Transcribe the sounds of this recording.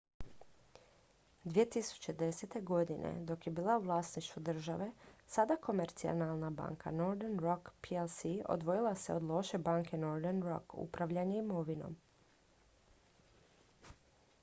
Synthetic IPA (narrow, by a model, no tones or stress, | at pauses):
d̪ʋiet̪isu̥t͡ɕe̞d̪e̞set̪e̞ɡo̞d̪inʔḛd̪o̞kje̞biːlˠauʋlˠaːsniʃt̪ʋud̪r̩ʒaʋe̞sad̪ako̞meɾt̪sia̰nalˠnaba̰ːŋkʰa̰no̞ɾd̪enɾokpʰielsio̰d̪ʋo̞jilaseod̪lˠo̞ʃe̞baːŋke̞no̞ɾd̪enɾo̰kṵpɾaʋʎaɲeimo̞ʋino̰m